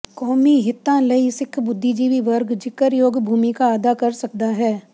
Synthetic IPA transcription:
kɔːmiɦɪt̪ːãlɐisɪkʰbʊd̪ʱːid͡ʒiːʋiʋɐɾɡd͡ʒɪkəɾjoːɡbʱuːmikaaːd̪akɐɾsɐk̚d̪aɦɛː

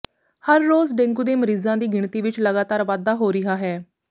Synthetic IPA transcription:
həɾːoːzɖẽŋɡuːd̪eːməɾiːzãːd̪iːɡɪɳt̪iːʋɪt͡ʃləɡaːt̪aːɾʋaːd̪aːɦoːɾɪɦaːɦɛː

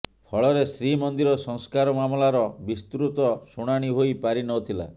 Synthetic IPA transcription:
pʰɔɭɔɾesɾimɔnd̪iɾɔsɔŋskaɾɔmamɔlaɾɔbist̪ɾut̪ɔsuɽ̃aɽ̃iɦojpaɾinɔt̪ʰila̰

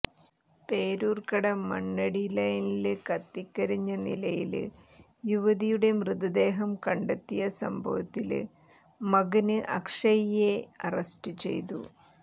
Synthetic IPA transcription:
pe̞ːɾuːrkɐɽɐmɐ̰ɳːɐɽilɐjnilkɐt̪ːikːɐɾiɲːɐnilɐjḭl̰ | juʋɐðijuɽe̞mrɨd̪ɐd̪e̞ːɦɐmkɐɳɖɐt̪ːijɐsɐ̰mbʱɐ̰ʋɐt̪ːilɨ̰ | mɐɡɐnɨʔɐkʂɐjje̞ɐrɐsʈɨt͡ɕe̞̰jt̪ṵ

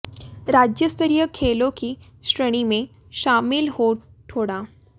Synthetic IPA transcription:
ɾad͡ʑjəst̪əɾijəkʰelokiː | ɕɾəɽ̃ime | ɕamilho | ʈʰoɽa

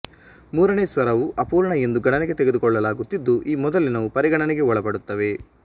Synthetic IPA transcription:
muːɾɐneːsʋɐɾɐʋuʔɐpuːɾɳɐe̞nd̪uɡɐɳɐneɡe̞t̪eɡed̪ukɔɭːɐlaːɡut̪ːid̪ːuʔiːmɔd̪ɐlːinɐʋupɐɾiɡɐɳɐnɛɡe̞ɔɭɐpɐɽut̪ːɐʋe̞

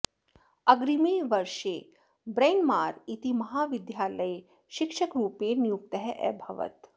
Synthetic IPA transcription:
ɐɡɾimeːʋɐɾʃeː | bɾeːnmaːɾit̪imɐɦaːʋid̪jaːlɐj | ʃikʃɐkɾuːpeːnijuk̚t̪ɐɦɛʔɛ̰bʱɐʋə̰t̪

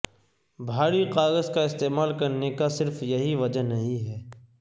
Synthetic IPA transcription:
bʱaːɾiqaːɣəzkaɪst̪eːmaːlkɐɾnekasɪɾfjɐɦiʋɐd͡ʒənɐɦĩɦɛː

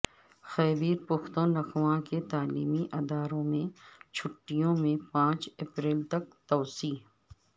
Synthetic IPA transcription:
xɛːbiːɾpʊxt̪õnɐxwãket̪aːliːmiʔɐd̪aːɾõmẽt͡ʃʰʊʈːijõmẽpãːt͡ʃepɾeːlt̪ɐk̚t̪ɔːsiːɦ

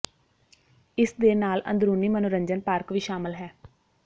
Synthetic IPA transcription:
ɪsd̪eːnaːlə̰nd̪ɾuːniːmənoɾəɲd͡ʒənpaːɾkʋiːʃaːməlɦɛː

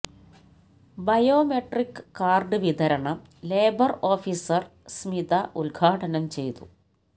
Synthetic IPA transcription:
bɐjo̞ːmeʈrikːɨ̥kːaːrɖɨʋid̪ʱɐɾɐɳɐ | le̞ːbɐroːfisɐrsmid̪ɐʔulɡʱaːʈɐnɐmt͡ɕe̞jt̪ṵ

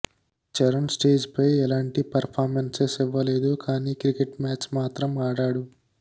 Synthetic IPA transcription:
t͡ʃɛɾɐnsʈeːd͡ʒpɐjɛlaːɳʈipɐɾpʰaːɾmensesiʋːɐle̞ːd̪ukaːniːkɾikeʈmaːt͡ʃmaːt̪ɾɐmaːɽaːɽu

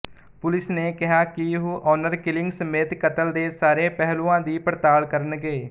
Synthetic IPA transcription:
pʊlɪsneːkɪɦaːkiɦuʔɔːnəɾkɪlɪ̃ŋɡsəmeːt̪kət̪əld̪eːsaːɾẽːpɛɦlũːãːd̪iːpɾət̪aːlkəɾənɡeː

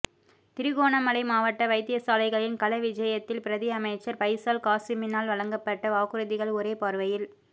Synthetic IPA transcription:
t̪ɪɾɯɣoːnɐmɐlɐɪmaːʋɐʈːɐʋɐɪt̪ɪjɐsaːlɐɪɣɐɭɪnkɐlɐʋɪd͡ʒɐjɐt̪ːɪlpɪɾɐðɪɐmɐɪt͡ʃːɐɾpɐɪsaːlkaːsɪmɪnaːlʋɐɭɐŋɡɐpːɐʈːɐʋaːɣɯɾɯðɪɣɐɭɔɾeːpaːɾʋɐjɪl

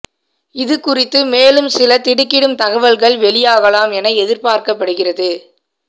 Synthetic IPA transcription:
ɪðɯkʊrɪt̪ːɯmeːlɯmsɪlɐt̪ɪɽɯkːɪɽɯmt̪ɐɣɐʋɐlɣɐɭʋɛlɪjaːɣɐlaːmɛnɐɛðɪɾpaːɾkɐpːɐɽɯɣɪrɐðɯ

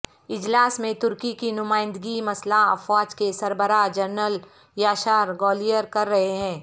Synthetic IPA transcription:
ɪd͡ʒlaːsmẽt̪ʊɾkikinʊmaːɪ̃nd̪əɡimɐslafaːd͡ʒkesɐɾbəɾaːd͡ʒɐɾnəl | jaːʃaːɾɡɔːlijəɾkɐɾːɐɦeɦɛ̃ː

